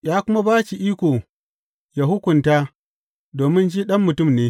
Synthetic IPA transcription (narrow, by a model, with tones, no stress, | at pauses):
jaː˦kʷʊ˦ma˦baː˦t͡ʃi˨ʔiː˦kʷoː˨ | ja˨ɦʊ˦kʷʊ˨ntaː˦ | doː˨mɪ˦nd͡ʒiː˦ɗɐ˦mːʊ˨tʊ˦˨mneː˦